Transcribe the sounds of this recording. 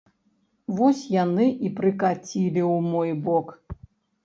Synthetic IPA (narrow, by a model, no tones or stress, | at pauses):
vɔsʲjanɨʔipɾɨkat͡sʲilʲiwmɔjbɔk